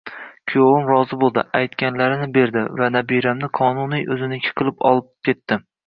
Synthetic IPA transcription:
kʲʰjowɪmɾɒzɪbolˠd̪ɪ̰ʔajt̪kʲanlaɾɪnɪbe̞ɾd̪ɪ̰vanabiɾamnɪqʰɒnunijʔɵzɪnɪkʲʰɪ̥qʰɨlˠɪpɒ̰lˠɪp̚kʲʰe̞t̪ːɪ

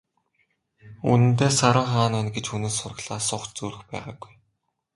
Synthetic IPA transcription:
ṵnɘ̆nt̪eːsaɾʊ̆ːŋχaːnaːnɡet͡ɕxunɘ̆ːsʊrə̆ɣɮaːsʊχt͡ɕt͡suːɮɘ̆xpæ̰ːʁa̰ːɡuj

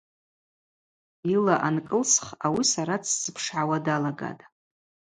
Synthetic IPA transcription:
ilaʔankʼɨlsχawisaɾat͡sʰz̥ɨpʰʂʕawadalaɡa̰tʼ

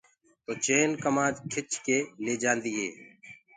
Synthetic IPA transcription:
t̪oːt͡ʃeːnkəmaːd̪kʰɪt͡ʃkeːleːd͡ʒãːnd̪iːɦḛː

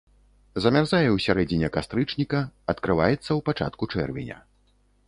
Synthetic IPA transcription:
zɐmʲarzajɛwsʲaɾɛd͡zʲinʲɛkast̪ɾɨt͡ʂnʲikɐɐt̪kɾɨva̰jɛt̪sːɐwpat͡ʂa̰t̪kut͡ʂɛ̰rvʲḭnʲɐ̰

